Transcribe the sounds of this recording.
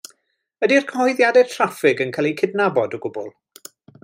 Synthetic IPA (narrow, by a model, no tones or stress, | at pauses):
ədirkʰɔhɔðjadɛ̥tʰr̥afɪɡənkʰalˠikʰɪdnabɔdɔɡʊbʊ̰lˠ